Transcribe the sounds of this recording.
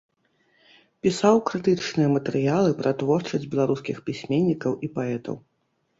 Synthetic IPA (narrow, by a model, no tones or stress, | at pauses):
pʲisawkɾɨt̪ɨt͡ʂnɨjɐmɐt̪ɛɾɨjalˠɨpɾʔɐt̪vɔrt͡ʂɐzʲd͡zʲbʲɛlˠaɾuskʲixpʲisʲmʲenʲːikɐwʔipaɛt̪ɐ̰w